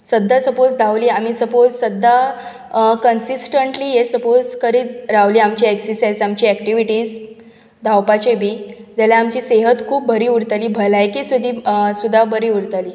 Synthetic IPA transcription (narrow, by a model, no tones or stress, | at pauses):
səd̪ʱːasəpod͡zd̪ʱaʋliːamisəpod͡zsəd̪ʱːa | kənsisʈəɳʈliːɦesəpod͡zkəɾiːt͡sɾaʋliːamt͡ɕiːeksisesamt͡ɕiːækʈiʋiʈiːz | d̪ʱawpat͡ɕebʱiːd͡zaljaːmt͡ɕiːseɦət̪kʰuːp̚bʱəɾiːuɽt̪aliːbʱəlajkiːsud̪ʱiːsud̪ʱːabʱəɾiːuɽɾt̪aliː